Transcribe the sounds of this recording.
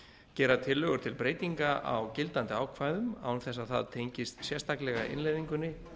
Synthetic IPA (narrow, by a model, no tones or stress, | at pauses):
cɛːɾat̪ʰɪlːœɣʏɾ̥t̪ʰɪlpɾeːjt̪iŋkaʔa̰wcɪlt̪ant̪ɪaːwkʰvajðʏma̰ːwnθɛs̬aðθa̰ðt̪ʰejɲcɪst̪sjɛst̪ʰaklɛɣa̰ʔɪ̰nlejðiŋkʏnːɪ